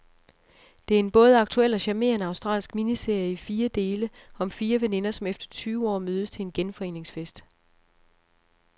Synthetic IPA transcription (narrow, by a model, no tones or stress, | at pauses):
d̥e̝æɐe̝nb̥ɔ̽ːð̞̩ˠəɑ̈ɡ̥̚t͡sʰuel̰ɒ̽ɕæme̝̰ɐnəɑ̈ʊsd̥ʁɑ̰ːlsɡ̥minise̝ɐ̰jəifiːɐd̥e̝ːləɒ̽mfiːɐʋene̝nɐsɒ̽mefd̥ɐ̥t͡sʰyːʊəɒ̰ːmøːð̞ˠəst͡sʰe̝enɡ̥enfɒ̽e̝̰ːne̝ŋsfesd̥